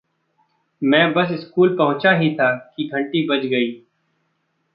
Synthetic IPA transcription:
mɛ̃ːbɐs̬ɪskuːlpɐɦʊ̃t͡ʃaɦit̪ʰaːkiɡʱɐ̃ɳʈibɐt͡ʃɡɐiː

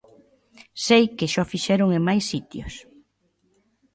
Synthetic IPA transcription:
sejkɪʃɔfiʃɛɾʊŋemajsːit̪jo̰s

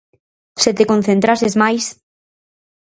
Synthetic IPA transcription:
set̪ekon̟θent̪ɾasezmajs

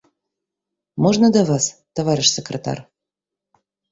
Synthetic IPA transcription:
moʒnəd̪avɑst̪ovɑɾʲɪʃsʲekrʲet̪ɑ̰r

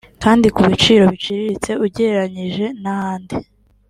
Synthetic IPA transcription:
kaːndikuβit͡ʃiːɾo̞βit͡ʃiɾiɾit͡se̞ʔuɟe̞ɾaɲiʒe̞nahaːndi

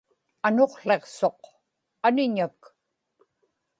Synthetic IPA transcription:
ano̞qɬe̞qso̞q | anɪɲak

